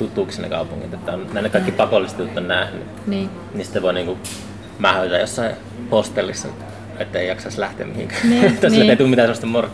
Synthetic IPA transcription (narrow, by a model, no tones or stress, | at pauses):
t̪ut̪ːuːkisinːḛkɑ̰upṵŋːḭt̪et̪ːæonnæˑinekɑikːipɑkolːˑiset̪jut̪ːonnæhny̰ | ni | nisit̪ːeʋoiniːŋku | mɑhøˑt̪ːɑjosːɑi | post̪ːelːisːɑ | et̪ːæeijɑksɑslæht̪ḛæ̰mihiŋkæ̥t̪ːosieeit̪uːmit̪æsemost̪emmur